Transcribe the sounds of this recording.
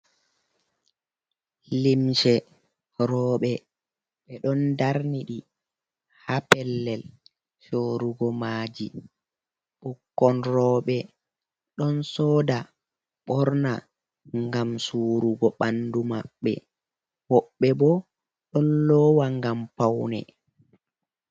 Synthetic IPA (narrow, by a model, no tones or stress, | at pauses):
limʃɛ | ɾɔːɓɛ | ɓɛɗɔndaɾniɗi | hapɛlːɛl | ʃoːɾuɡɔmaːd͡ʒi | ɓɔkːɔnɾɔːɓɛ | ɗɔnsɔːda | ɓɔɾna | ŋɡamsuːɾuɡɔɓandumaɓːɛ̰ | wɔɓːɛbɔ | ɗɔnlɔwaŋɡampawnɛ̰